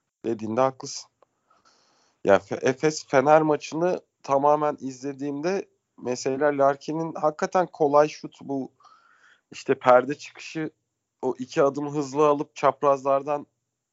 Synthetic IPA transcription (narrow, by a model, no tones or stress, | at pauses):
d̪̥e̞d̪iːnd̪ɛɦaklˠɯsɯ̥n | ja̰fʔɛfɛsfe̞næɾmat͡ʃʰɯnɯ | t̪ʰamaːmænizlʲe̞d̪iːmd̪ɛ | meselʲæɾlʲæɾcʰininhakːat̪ʰænkʰo̞lˠajʃut̪ʰbu | iʃt̪ʰɛpʰæɾd̪ɛt͡ʃʰɯ̥kʰɯ̥ʃɯ | oʔicʰiad̪ɯmɦɯzlˠɯalˠɯp̚t͡ʃʰapɾazlˠaɾd̪an